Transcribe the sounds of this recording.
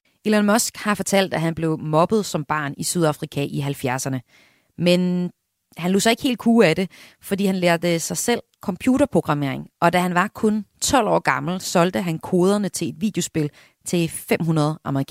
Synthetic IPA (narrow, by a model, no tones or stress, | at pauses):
ilænmɒsɡ̥hɑ̈fɒ̽t͡sʰæl̰d̥æɦænb̥le̝ʊmɒ̽b̥ð̩ˠsɒ̽mb̥ɑ̰̈ːnisyð̞ˠɑ̈fʁikʰæʔiɦælfjæɐsɐnə | men | hænlo̝̰ːsɑ̈e̝ɡ̥he̝ːld̚kʰuːæd̥e̝ | fɒ̽d̥ḭːhænleɐd̥əsɑ̈ɪsel̰kʰɒ̽mpʰjuːɾ̥ɐpʰʁo̝ɡ̥ʁɑ̈me̝̰ɐ̰e̝ŋʔɒ̽d̥æɦænʋɑ̈kʰɔ̽nt͡sʰɒ̽l̰ɒ̰ːɡ̥ɑ̈ml̩sɒ̽ld̥əɦænkʰo̝ːð̞ˠɐnət͡sʰe̝le̝d̥ʋḭːd̥jo̝sb̥e̝l | t͡sʰe̝fem̰ɦunɐð̞ˠʔɑ̈məʁikʰ